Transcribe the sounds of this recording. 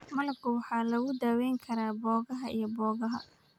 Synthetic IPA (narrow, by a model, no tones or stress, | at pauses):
mɐlkʰʊwɑħɑːlɐɣʊd̪aːwɛjŋkʰɐɾaːbɔːɣɐɦɐḭjɞbɔːɣɐɦɐ̰